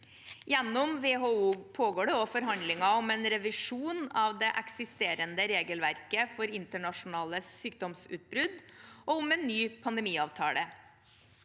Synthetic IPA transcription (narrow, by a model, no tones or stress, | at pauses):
jɛnːɔmʋeɦoːuːpʰoːɡoːɖɛoːfɔɾɦɑnd̪lɪŋɑɔmɛːnɾɛʋɪʂuːnɑʋd̪ɛʔɛksɪst̪eːɾənd̪əɾeːɡəlʋæɾkəfɔɾɪnt̪əɳɑʂʊnɑːləyːkd̪ɔmsʉ̰ːt̪̚bɾʉd̪ʔɔʊmɛnːyːpʰɑnd̪ɛmiːɑːʋt̪ʰɑ̰ːlə